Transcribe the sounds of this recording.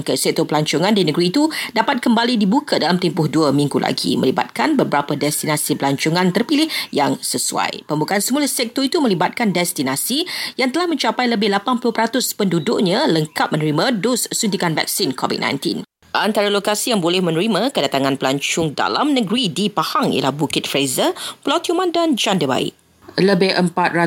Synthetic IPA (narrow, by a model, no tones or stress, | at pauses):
ŋkəsɛk̚t̪opəlaɲt͡ʃʊŋãndinəɡɾiːt̪udapat̪̚kəmbalidibukʰadalamt̪ɛmpʊhduəmĩŋɡulʔa̰ɡḭmə̰liba̰t̪̚kanbəbəɾapədɛst̪inasipəlaɲt͡ʃʊŋãnt̪ərpilɪhjaŋsəsua̰jpəmbukaansəmulasɛk̚t̪oit̪umə̃libat̪̚kandɛst̪inasijaŋt̪əlahmə̃ɲt͡ʃapajləbɪhlapanpulʊpəɾat̪ʊspəndudʊʔ̚ɲãləŋkat̪̚mənəɾimãdosːunt̪ikanvɛ̰k̚sinkʰɔvḭt̚nã̰j̃nt̪ḭn | ʔant̪aɾalokasijaŋbolɛhmə̃nəɾimãkədat̪aŋãnpəlaɲt͡ʃʊŋda̰la̰mnəɡɾidipahaŋḭla̰hbukɪt̪̚fɾezəpəlawt̪iumãndand͡ʒandəba̰ɪ̰ʔ | ləbɪhʔəmpat̪̚ɾa